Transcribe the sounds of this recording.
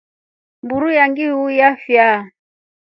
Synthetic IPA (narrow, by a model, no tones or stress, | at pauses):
mbuɾujaŋɡiujafja